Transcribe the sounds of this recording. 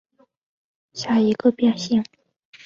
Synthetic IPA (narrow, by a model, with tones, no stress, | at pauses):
ɕja˥˩i˧˥ɡə˧pjɛ˥˧nɕi˥˩ŋ